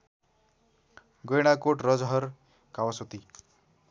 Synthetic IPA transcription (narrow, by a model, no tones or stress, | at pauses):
ɡʌjɽ̃akoʈrʌd͡zɦʌɾ | kawʌsot̪i